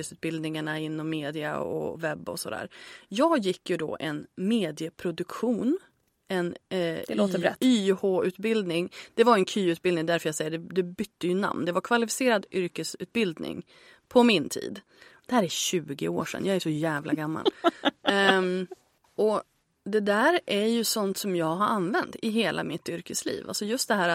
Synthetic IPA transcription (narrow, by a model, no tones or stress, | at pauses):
əsʉ̟ːt̪̚bɪld̪nɪŋaɳaɪnːɔmːeːd̪ɪa̰ɔ̰vɛbːɔ̰sɔd̪æ̰ːɾjɑːɡjɪkːjɵd̪ɔ̰ʔɛnmeːd̪ɪəpʰɾʊd̪ɵkɧuːn | ɛnoːɛyːhoːʉ̟ːt̪̚bɪld̪nɪŋd̪̥ɛvaɾɛnkʰyːʉ̟ːt̪bɪld̪nɪŋd̪æɾfœɾjɑsɛjːəɖ̪ɛd̪ɛbʏt̪ʰːəjɵna̰mnd̪ɛvaɾkʰvalɪfɪ̥seːɾad̪ʏɾkəsʉ̟ːt̪̚bɪld̪nɪ̰ŋ | pʰɔmɪnt̪ʰḭːd̪ | d̪̥ɛhæːɾæɾɕʉ̟ːɡɪ̰oːʂɛ̰njɑːɡæʂɔjæːvlʔaɡamːa̰l | ɔ | d̪ɛd̪æːɾæɾjɵsɔnt̪sɔmjɑːɡɦaɾanvɛnt̪ɪɦeːlʔa̰mɪt̪ːʏɾkəslḭːva̰lsɔjɵst̪d̪ɛɦæːɾat̪